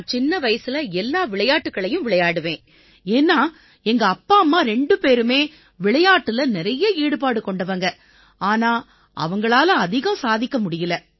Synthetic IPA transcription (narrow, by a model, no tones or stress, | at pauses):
t͡ʃɪnːɐʋɐjɐsɪlɐɛlːaːʋɪɭɐjaːʈːɯkːɐɭɐjɯ̃mʋɪɭɐjaːɽɯʋẽː | eːnːaː | ɛŋɡɐːpːaːmːaːɾɛɳɖɯpeːɾɯmeː | ʋɪɭɐjaːʈːɯlɐnɪɾɐjɐiːɽɯpaːɽɯkɔɳɖɐʋɐŋɡɐ | aːnaː | ʔɐ̰ʋɐŋɡɐɭaːlɐɐðɪɣɐmsaːðɪkːɐmʊɽɪjɪlɐ